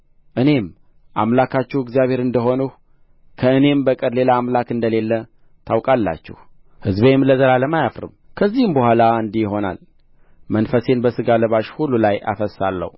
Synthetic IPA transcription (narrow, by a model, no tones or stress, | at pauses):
ʔɨne̞m | ʔamlakʰat͡ʃːɛhɨɡzijaβhe̞ɾɨnd̪əɦo̞nuh | kʰəɨne̞mbəkʼɨd̪le̞laːmlakɨnd̪əle̞lːə | t̪ʰawkʼalːa̰t͡ʃːɪ̰h | hɨzbemləzəlaləmajafɾɨ̰mkʰəzːihɨmbəhʷalaɨnd̪iɦo̞na̰l | mənfəse̞nbəsɨɡaləβaʃhulːulajʔa̰fəsːalːə̰hu